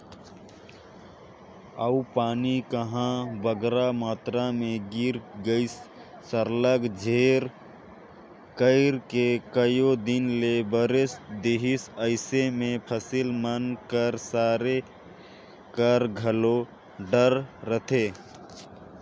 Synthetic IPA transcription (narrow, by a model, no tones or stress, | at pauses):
əupaːnikəɦãbəɡɾamaːt̪ɾamẽɡiɾɡəɪsː | əɾləɡd͡ʒʱeɾ | kəɪɾkekəjod̪ɪnlebəɾesd̪eɦisəɪsemẽpʰəsilmənkəɾsaːɾe | kəɾɡʱəlo | ɖəɾːət̪ʰe